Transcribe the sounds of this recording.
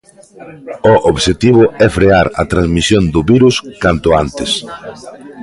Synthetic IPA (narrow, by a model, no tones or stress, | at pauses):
oʔoβʃet̪iβ̞ʊɛfɾeaɾɐt̪ɾanzmisjond̪ʊβiɾuskant̪ʊant̪ɪs